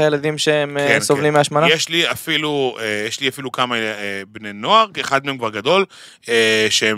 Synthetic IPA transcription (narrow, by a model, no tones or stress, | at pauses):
ajelad̪imʃeemnsovlimːeaʃmanajeʃliafiluejeʃliafilukamaebnenoaʁkeχad̪meemkvaʁɡad̪o̞l | eʃee